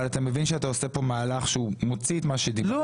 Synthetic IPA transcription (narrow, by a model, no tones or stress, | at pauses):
alat̪amevinʃeataose̞po̞maːlaχʃeumo̞t͡siet̪maʃed̪ilo